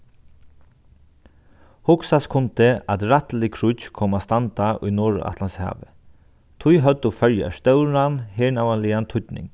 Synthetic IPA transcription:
hʊksaskʰʊnt̪ʰəat̪ɾat̪lɪkʰɹʊt͡ʃkʰɔmast̪ant̪aʔʊ̰jnɔːɹʊ̰ʔa̰t̪ʰlanshɑ̰ːʋə | t̪ʰʊjɦœt̪ʊfœɹja̰ʂt̪œʉɾanheːɳawanlɪant̪ʰʊt̪nɪ̰ŋ

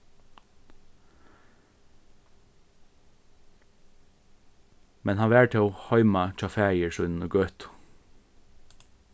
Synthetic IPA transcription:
mɛnhɑːʋæːʈʰeoːhœʏmɑc͡çʰɑfeːɪəɹʃœnn̩ɡœt̪

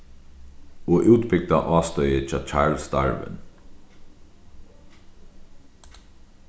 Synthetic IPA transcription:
ɔːʔʉːt̪bɪɡ̚d̪aʔɑːst̪œʏət͡ʃʰɑːt͡ʃʰaːɹlst̪a̰ɹʋə̰n

